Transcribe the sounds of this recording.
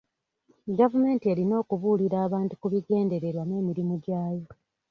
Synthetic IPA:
ɡavume̞ːntie̞lino̞ːkuβuliɾaːβaːntu̥kuβiɡe̞ːnde̞ɾe̞ɾwane̞ːmiɾimuɟaːjo̞

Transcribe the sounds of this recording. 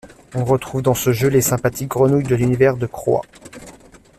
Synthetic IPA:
ɔ̃ʁət̪χuvd̪ɑ̃səʒølesɛ̃pat̪ʰik̚ɡʁənujd̪əlynivɛʁd̪əkχwa̰

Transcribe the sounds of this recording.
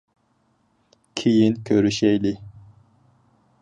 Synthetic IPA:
kʲʰijinkʲʰøɾyʃɛjli

